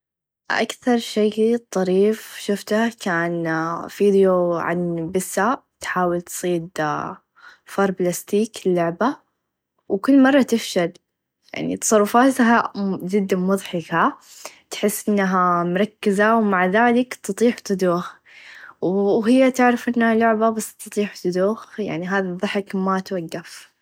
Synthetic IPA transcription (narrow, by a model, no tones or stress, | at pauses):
ʔa̰kθɑɾˤʃejt̪ˤːɑɾiːfʃʊft̪ahkaːnfiːd̪joʕa̰nbɪsːat̪ħaːwɪlt̪sˤiːd̪ | fɑɾˤblast̪iːklːʊʕba | wkʊlːmɑrˤːɑt̪ɪfʃal | ja̰ʕnḭt̪ɑ̥sˤɑrˤːʊfaːt̪ad͡ʒɪd̪ːamʊðˤħɪkat̪ħɪsːʔɪnːaɦamʊɾˤɑkːɪzawmaʕðaːlɪkt̪ɨt̪ˤiːħt̪ɪd̪uːx | wwɦɪjːat̪ɪʕɾɪfʔɪnːhalʊʕbabasːt̪ɨt̪ˤiːħt̪ɨd̪uːxja̰ʕniɦaːðiðˤːɨħɪkmat̪waɡːaf